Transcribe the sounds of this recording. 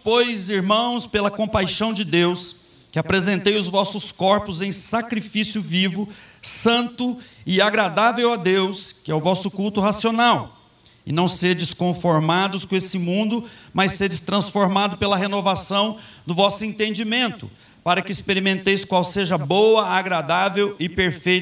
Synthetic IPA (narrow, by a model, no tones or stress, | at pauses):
pojziɾmɐ̃w̃spelɐkõpajʃɐ̃w̃d͡ʒɪd̪ews | kɪapɾezẽnt̪ejʊzvɔsʊskɔɾpʊzẽj̃sakɾifisjʊvivʊsɐ̃nt̪ʊɪaɡɾad̪avewad̪ewskɪɛʊvɔsʊkuwt̪ʊɦasionaw | ɪ̰nɐ̃w̃sed͡ʒɪskõfoɾmad̪ʊskõesɪmũnd̪ʊmajsːed͡ʒɪst̪ɾɐ̃sfoɾmad̪ʊpelɐɦenovasɐ̃w̃ | d̪ʊvɔsʊẽnt̪ẽnd͡ʒimẽnt̪ʊ̰ | paɾɐkɪːspeɾimẽnt̪ejskwawseʒɐbowɐaɡɾad̪avewɪpeɾfej̪